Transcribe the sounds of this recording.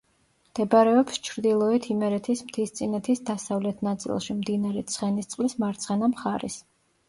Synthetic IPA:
md̪̥ɛbaɾɛɔpst͡ʃʰɾd̪ilˠɔit̪ʰimɛɾɛt̪ʰismt̪ʰist̪sʼinɛt̪ʰisd̪asavlɛt̪ʰnat̪sʼḭlˠʃimd̪inaɾɛt̪sʰχɛnist̪sʼqʼlismaɾt̪sʰχɛnamχaɾɛ̰s

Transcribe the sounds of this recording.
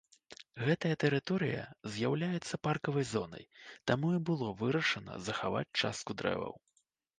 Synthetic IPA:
ɣɛt̪ɐjɐt̪ɛɾɨt̪ɔɾɨjɐ̰zʲjawlʲajɛt̪sːɐparkɐvɐjzɔnɐ̰jt̪amuibɨlˠɔvɨɾɐʂɐnɐ̰zɐxava̰t͡sʲt͡ʂa̰st̪̚kud̪ɾɛ̰vɐ̰w

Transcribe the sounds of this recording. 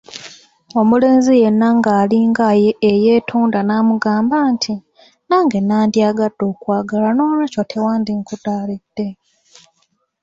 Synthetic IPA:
o̞mule̞ːnzije̞nːaŋɡaːliŋɡaje̞ːjeːtʰuːndanaːmuɡaːmbantʰi | naːŋɡe̞naːndjaːɡad̥ːo̞ːkwaːɡalano̞ːnecotʰe̞waːndiŋkudaːlid̥ːe̞

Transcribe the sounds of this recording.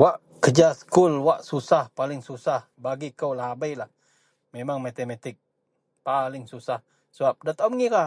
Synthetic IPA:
waʔ | kəd͡ʒasə̥kʊlwaʔsusahpalɪŋsusah | baɡikəwlahabajlah | memaŋmat̪emat̪ɪk̚ | palɪŋsusah | səbap̚dat̪awməŋiɾa

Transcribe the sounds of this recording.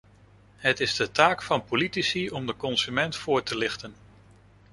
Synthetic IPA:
ɦətɪzdətaːkfɑnpolitisiɔmdəkɔnsymɛntfʊːɹtəlɪχtən

